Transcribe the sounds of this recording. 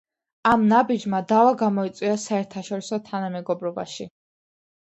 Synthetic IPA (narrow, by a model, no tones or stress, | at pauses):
amnabid͡ʒmad̪avaɡamɔit̪sʼwiasaɛɾt̪ʰaʃɔɾisɔt̪ʰanamɛɡɔbɾɔba̰ʃi